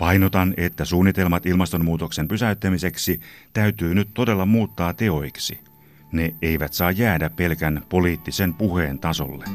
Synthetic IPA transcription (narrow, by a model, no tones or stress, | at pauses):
pɑjnot̪ɑne̞t̪ːæsuːnːit̪e̞lmɑt̪ilmɑst̪o̞mmuːt̪o̞kse̞mpysæyt̪ːæmise̞ksit̪æyt̪yːnyt̪t̪ːo̞de̞lːɑmuːt̪ːɑːt̪e̞o̞jksḭ | ne̞eiʋæt̪sɑːjːæːdæppe̞lkænpo̞liːt̪ːisempuheːnt̪ɑso̞̰lːe